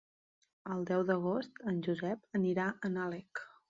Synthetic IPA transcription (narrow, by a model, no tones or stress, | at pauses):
əlˠd̪ɛwðəɣ̞ost̪ənʲʒuzɛpəniɾaʔənalɛk